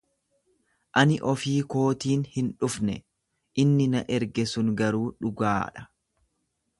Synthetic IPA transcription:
ʔɐnɪʔɔfiːko̞ːt̪iːnhɪnᶑʊfnɛ | ʔɪnːɪnɐ̰ʔɛɾɡɛsʊŋɡɐɾuːᶑʊɡaːᶑɐ̥

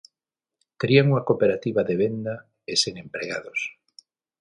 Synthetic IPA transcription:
t̪eɾiaŋuŋakopeɾat̪iβaðeβend̪a | eseŋempɾeɣa̰ðos

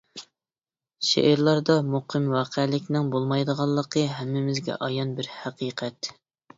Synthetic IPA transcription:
ʃḛʔɾlˠɑɾd̪ɑmuqʰɨmwɑːqʰɛlɪkʲnɪŋbolˠmɑjd̪əʁɑlˠːəqʰəɦæmːɪmɪzɡʲɛ̰ʔɑjɑnbɪɾhæqiːqʰɛt̪

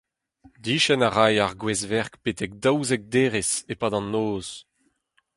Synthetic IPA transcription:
d̪iːʃɛnaʁajaʁɡwɛzvɛʁkpetɛk̚d̪awzɛk̚d̪eːʁesepaːdɑ̃nːoːz̥

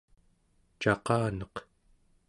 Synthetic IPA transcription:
t͡ʃɑqɑːnʌq

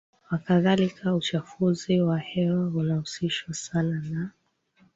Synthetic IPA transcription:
wakaðalikʰaut͡ʃafuziwahɛwaunahusiʃwasanana

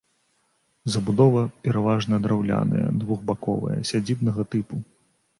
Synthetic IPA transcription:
zɐbud̪ɔvɐpʲɛɾavaʐnɐd̪ɾawlʲa̰nɐ̰jɐ̰d̪vuɣbakɔ̰vɐ̰jɐ̰sʲad͡zʲibnɐɣɐt̪ɨpu

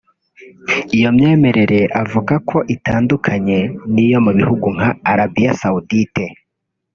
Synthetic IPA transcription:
ijo̞mɲe̞ːme̞ɾe̞ɾe̞ʔavuɡakʰo̞ʔitaːndukʰaɲe̞nijo̞muβihuɡuŋ̥aːɾabijasaudite̞

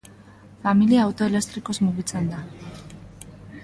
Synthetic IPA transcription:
familiaːwt̪o̞ele̞st̪ɾiko̞zmuɣit͡send̪a

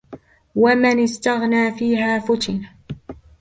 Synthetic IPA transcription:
wamɪnɪst̪aɣnaːfiːɦaːfʊt̪ɪn

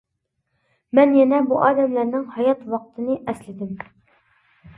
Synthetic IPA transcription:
mɛnjɛnɛbuʔɑːd̪ɛmlæɾnɪŋhɑjɑt̪wɑqt̪ʰɨnɨʔɛslɪd̪ɪm

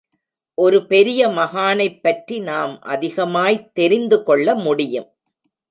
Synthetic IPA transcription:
ʔɔɾɯpɛɾɪjɐmɐɣaːnɐɪpːɐʈrinaːmʔɐ̰ðɪɣɐmaːjt̪ːɛɾɪnd̪ɯkɔɭːɐmʊɽɪjɯm

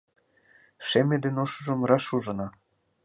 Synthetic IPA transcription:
ʃemʲĕd̪enoʃŭʒɤ̆mrɑʃuʒɤ̆nɑ

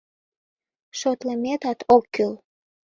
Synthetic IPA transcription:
ʃot̪ləmet̪ɑt̪okːyl

